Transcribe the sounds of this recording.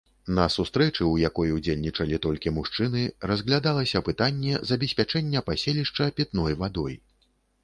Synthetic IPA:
nɐsust̪ɾɛt͡ʂɨwjakɔjɛud͡zʲelʲnʲit͡ʂɐlʲit̪ɔlʲkʲimuʂt͡ʂɨnɨrɐzɣlʲad̪alˠɐsʲɐpɨt̪anʲːɛzɐbʲɛsʲpʲat͡ʂɛnʲːɐpasʲelʲiʂt͡ʂɐpʲɛt̪nɔjvad̪ɔj

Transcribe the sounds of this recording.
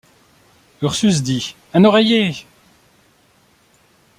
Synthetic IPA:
œʁsys̬d̪i | ɛ̃nɔʁeje

